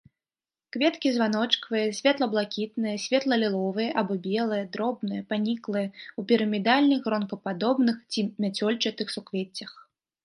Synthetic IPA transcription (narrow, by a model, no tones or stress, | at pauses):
kvʲɛt̪kʲizvanɔt͡ʂkvɨjɐsʲvʲɛt̪lˠɐblˠakʲit̪nɨjɐsʲvʲɛt̪lˠɐlʲilˠɔvɨjɐʔabɔbʲɛlˠɨjɐd̪ɾɔbnɨjɐpanʲiklˠɨjɛupʲiɾɐmʲid̪alʲnɨxrɔnkɐpad̪ɔbnɨxt͡sʲimʲat͡sʲɔlʲt͡ʂɨt̪ɨxsukvʲet͡sʲːɐx